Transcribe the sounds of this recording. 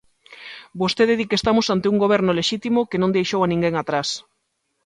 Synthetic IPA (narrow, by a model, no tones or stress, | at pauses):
bost̪eðeðikest̪amʊsant̪euŋɡoβ̞ɛɾnoleʃit̪imokenõnd̪ejʃowanĩŋɡeŋat̪ɾas